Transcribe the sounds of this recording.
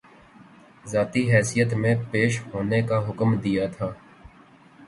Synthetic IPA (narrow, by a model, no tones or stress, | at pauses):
zaːt̪iɦɛːsijət̪mẽpeːʃɦoːnekaɦʊkmd̪ijat̪ʰaː